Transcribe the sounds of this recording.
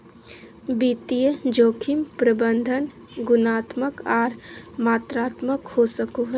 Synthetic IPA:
biːt̪ijəd͡ʒoːkʰimpɾəbə̃nd̪ʱən | ɡʊnaːt̪məkaːɾmaːt̪ɾaːt̪məkhosəkoɦɛ

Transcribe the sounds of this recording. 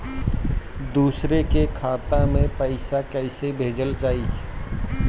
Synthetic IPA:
d̪uːsɾekekʰaːt̪amẽpəɪsakɛːɪsebʱeːd͡ʒəlt͡ʃaːɦi

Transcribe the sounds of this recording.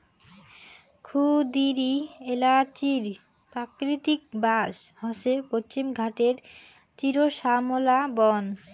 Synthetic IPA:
kʰubd̪iɾielat͡ɕiɾ | pɾakɾit̪ik̚baʃhɔʃepot͡ɕimɡʱaʈeɾ | t͡ɕiɾoʃamolabɔn

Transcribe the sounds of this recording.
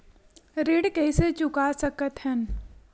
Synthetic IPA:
ɾeːɽkɛiset͡ʃʊkasɐkət̪ɦɛn

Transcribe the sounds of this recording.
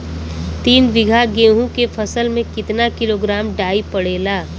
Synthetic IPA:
t̪iːnʋɪɡʱaɡeːɦũkepʰəsəlmẽkɪt̪nakɪloːɡɾaːmɖaːipəɽeːlaː

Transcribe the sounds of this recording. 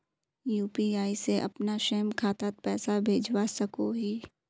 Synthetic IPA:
juːpiaːiseʔɐ̰pnaʃeːmkʰaːt̪at̪̚pɛːsabʱeːd͡ʒwasɐkoɦiː

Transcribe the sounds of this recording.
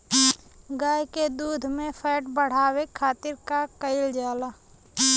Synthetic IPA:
ɡaːjked̪uːd̪ʱmẽfʰɛːʈbəɽ̤aːwekʰaːt̪ɪɾkakəɪld͡ʒaːla

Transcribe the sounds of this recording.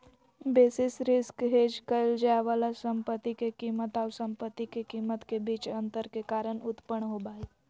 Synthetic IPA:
beːsɪsɾɪskɦeːd͡ʒkəɪld͡ʒaʋaːlasə̃mpət̪ːikekiːmət̪aʊsə̃mpət̪ːikekiːmət̪kebiːt͡ʃə̃nt̪əɾkekaːɾəɳʊt̪pəɳɦobaːi

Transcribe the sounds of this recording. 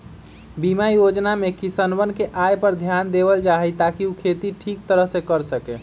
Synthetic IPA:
bimajod͡ʒnamekisənbənkeʔajpəɾd̪ʱjand̪ebəld͡ʒaɦɛjt̪akiukʰet̪iʈʰik̚t̪əɾəɦsẽkəɾsəke

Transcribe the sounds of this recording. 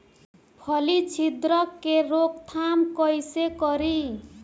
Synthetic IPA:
pʰʌlit͡sʰid̪ɾʌkːeɾokt̪ʰamkʌjsekʌɾi

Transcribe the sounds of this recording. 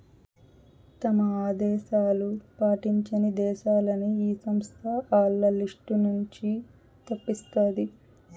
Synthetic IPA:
t̪ɐmɐaːd̪ɛːʃaːlupaːʈiɲt͡ʃɐnid̪ɛːʃaːlɐniiːsɐmst̪ʰɐaːlːɐliʂʈunuɲt͡ʃi | t̪ɐpːist̪aːd̪i

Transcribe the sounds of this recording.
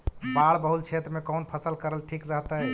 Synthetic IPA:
baɽbəɦut̪̚t͡ʃʰet̪ɾəmekənpʰəsəlkəɾəlʈʰikɾəɦt̪ə

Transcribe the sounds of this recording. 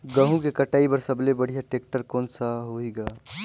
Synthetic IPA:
ɡəɦũkekəʈaːibəɾsəblebəɽ̤ijaʈeːk̚ʈəɾkɔːnsaɦoiɡaː

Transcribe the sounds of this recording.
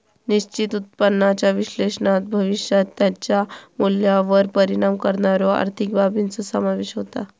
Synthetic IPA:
niɕt͡ɕit̪ut̪̚pənːat͡ɕjaʋiɕlesnat̪̚bʱəʋiɕjat̪ːjat͡ɕjamuljaʋəɾpəɾiɽamkəɾɳaɾjɔa̰ɾt̪ʰik̚bʱabint͡sɔsəmaʋeɕɦot̪a̰

